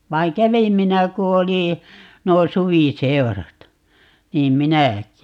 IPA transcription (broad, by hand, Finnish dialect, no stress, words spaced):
ʋɑi̯ŋ kæʋim minæ ku oli nuo suʋiseu̞rɑt niːm minæˑkˑi